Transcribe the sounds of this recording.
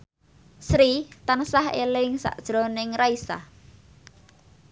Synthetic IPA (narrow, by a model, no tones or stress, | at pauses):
sɾit̪ansahḛlɪŋsa̰ʔd̥ʒ̥ɾonɪŋɾaisa̰h